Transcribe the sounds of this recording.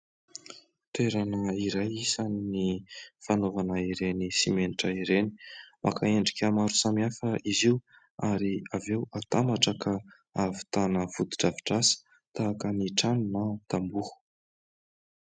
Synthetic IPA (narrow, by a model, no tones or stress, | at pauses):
t̪eɾanəiɾajisaninifanovanaiɾenisimeniʈ͡ʂəiɾeni̥mʔa̰kaeɳɖ͡ʐikʲəmaɾusamiafəiziw | aɾiavewat̪amaʈ͡ʂaka | avi̥t̪anəfud̪iʈ͡ʂaviʈ͡ʂasi̥ | t̪aːkəniʈ͡ʂanunat̪ambuhu̥